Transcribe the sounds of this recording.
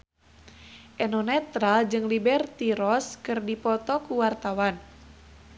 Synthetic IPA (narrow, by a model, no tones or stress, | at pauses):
ʔɛnɔnɛt̪ɾald͡ʒɨŋlibɛrt̪iɾɔskɨrdipɔt̪ɔkuwart̪awan